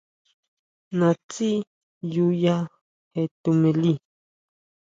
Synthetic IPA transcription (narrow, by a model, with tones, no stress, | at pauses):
nã˨t͡si˦ | juja˦ | he˨t̪u˨mẽ˨li˦